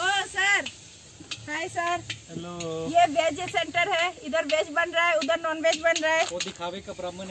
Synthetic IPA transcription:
osəɾ | ɦaːisəɾlojeʋeːd͡ʒesẽɳʈəɾɦɛɪd̪əɾbeːd͡ʒbɐnɾaɛʊd̪əɾnɔːnʋeːd͡ʒbɐnɾaɛːod̪ɪkʰaːʋekabɾɐmən

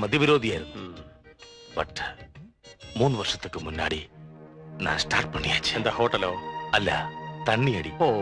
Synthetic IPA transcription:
mɐd̪ʱjɐʋiɾoːd̪ʱijaːjɾunːu | bɐʈ | muːnːɨʋɐrʂɐ̥t̪ːɨkːɨmunːa̰ːɽi | na̰ːnsʈaːrʈ̚pɐɳːijaːt͡ɕːɨ̥end̪aːhoːʈːɐloːɐlːɐ̰t̪ɐɳːijɐːɽio

